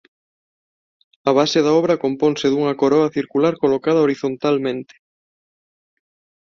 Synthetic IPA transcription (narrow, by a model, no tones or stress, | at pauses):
ɐβ̞aseð̞aɔβ̞ɾɐkompɔnseðuŋɐkoɾɔɐθiɾkulaɾkolokað̞ɐoɾiθont̪almẽnt̪ɪ̥